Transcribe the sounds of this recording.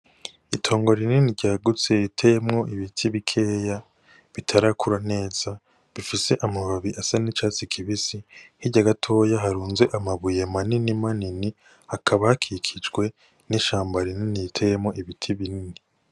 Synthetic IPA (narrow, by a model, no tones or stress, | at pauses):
itʰo̞ːŋɡo̞ɾininiɾɟaːɡut͡se̞itʰejemŋo̞ʔiβitʰiβikʰe̞ːja | βitʰaɾakuɾane̞ːz̥a | βifise̞ʔamaβaβiʔasanit͡ʃaːt͡sikʰiβisihiɾɟaɡatʰo̞ːjaɦaɾuːnze̞ʔamaβujemaninimanini | hakʰaβahakʰikʰid͡ʒɡwe̞ | niʃaːmbaɾininijitʰejemŋo̞ʔiβitʰiβinini